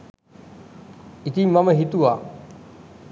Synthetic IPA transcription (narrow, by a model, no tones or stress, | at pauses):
it̪imɐməɦit̪ua